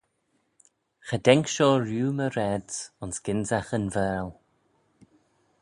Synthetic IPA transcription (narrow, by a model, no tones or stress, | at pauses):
xədɛŋkʃɔːɹjuːməɾɛdsʊnsɡ̥ɪnzaxənvɛːl